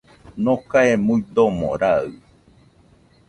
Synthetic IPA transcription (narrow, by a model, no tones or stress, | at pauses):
nõkaemuid̪omo̰ɾaɯ